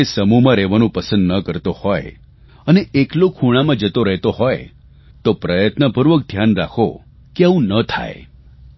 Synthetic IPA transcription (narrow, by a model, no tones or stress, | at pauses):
esəmumãɾɛʋanũpəsə̃nd̪nəkəɾt̪ohɔe | əneʔeklokʰuɽ̃amãd͡ʒət̪oɾəɦet̪oɦɔj | t̪opɾəjət̪nəpuɾʋək̚d̪ʱjanɾa̰kʰo̰ | keəʋũnət̪ʰa̰ḛ